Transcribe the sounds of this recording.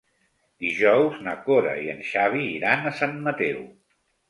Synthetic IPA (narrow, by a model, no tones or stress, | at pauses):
d̪iʒɔwznəkoɾə̰iənʃaβ̞iːɾanəsanmət̪ɛw